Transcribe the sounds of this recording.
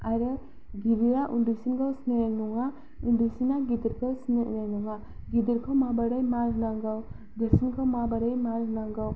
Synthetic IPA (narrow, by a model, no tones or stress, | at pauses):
aɾɯ | ɡiɾiɾaʔundusinɡawsnejaŋnuŋa | undusinaɡidiɾkʰawsnḛnaŋnuŋa | ɡidiɾkʰawmabaɾɯjmaɾɦnaŋɡaw | ɡɯɾsinkʰawmabaɾɯjmaɾɦɯnaŋɡaw